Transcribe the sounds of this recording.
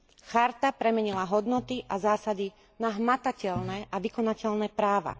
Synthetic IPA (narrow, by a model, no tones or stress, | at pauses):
xaɾt̪apɾɛmɛɲilaɦɔd̪nɔt̪iʔazaːsad̪i | naɦmat̪acɛlnɛʔaʋikɔnacɛʎnɛpɾaːʋa̰